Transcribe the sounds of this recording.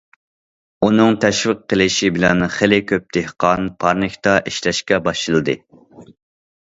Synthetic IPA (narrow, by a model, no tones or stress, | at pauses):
unɨŋt̪ʰɛʃvɪqːəlˠɪʃibɪlɛnχelɪkʲʰøp̚d̪ehqʰɑnpʰɑɾnɨkʲt̪ɑʔiʃlɛʃkʲɛbɑʃɨlˠɨd̪ɨ